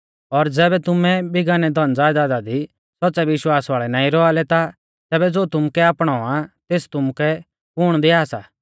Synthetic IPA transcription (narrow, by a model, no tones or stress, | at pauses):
ɔɾd͡zɛːbɛt̪ʊmɛ̃bɪɡaːnɛd̪ʱɔnd͡zaːjd̪ad̪ad̪i | sɔtːsɛʋɪʃwaːsʋaːɭɛnaːĩɾɔalɛt̪a | t̪ɛːbɛd͡zoːt̪ʊmkɛaːpɽ̃ɔãt̪eːst̪ʊmkɛ | kʊɽ̃d̪iaːsa̰ː